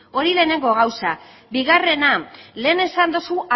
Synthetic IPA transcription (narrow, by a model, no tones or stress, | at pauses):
o̞ɾile̞ːne̞ŋɡo̞ɣ̞awsa | biɣare̞nale̞ːne̞sand̪osuʔa